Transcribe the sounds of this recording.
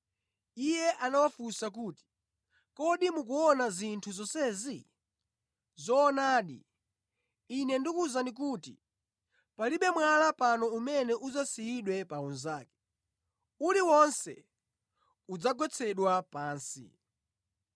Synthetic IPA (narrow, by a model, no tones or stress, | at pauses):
ijɛʔanawafusak̬uːti̥ | kɔɗimukuɔnazintʰuzɔsɛzi | zɔːnaːɗḭ | inɛndikuzanik̬utḭ | paliɓɛmwalapanɔumɛnɛʔuzasijiɗwɛpaunzaːkɛ̥ | uliwɔnsɛ | ud͡zaɡwɛt͡sʰɛɗwapaːnsḭ